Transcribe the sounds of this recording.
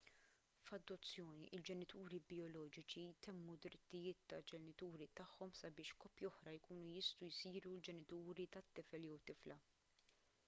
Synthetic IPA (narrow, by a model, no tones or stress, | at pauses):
fɐd̪ːɔt͡sːjɔːniʔɪld͡ʒɛnɪt̪uːɾibɪjɔlɔːd͡ʒɪt͡ʃit̪ɛmːud̪ɾɪt̪ːɪjɪːt̪ːɐd͡ʒɛnɪt̪uːɾit̪ɐħːɔmsɐbɪːʃkɔːpːjiɔħɾɐjkuːnujɪst̪ujsiːɾuld͡ʒɛnɪt̪uːɾit̪ɐt̪ːɪfɛljɛwt̪ɪflɐ